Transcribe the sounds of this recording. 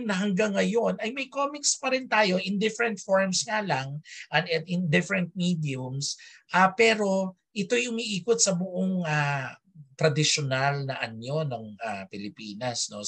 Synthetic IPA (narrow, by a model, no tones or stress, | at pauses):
nɐɦɐŋɡaŋːɐjo̞nɐjmɐjkoːmɪkspɐɾɪnt̪aːjo̞ʔɪnd̪ɪfɛɾɛnt̪̚foɹmsŋalɐŋʔɐnɛnɪnd̪ɪfɾɛnt̪̚mid̪iʊms | ʔapɛːɾo̞ | ʔɪt̪o̞jʔʊmiʔiːkot̪̚sɐbʊʔoŋa | t̪ɾɐd̪ɪʃonalnɐʔɐno̞noŋa̰pɪlɪpiːnɐsno̞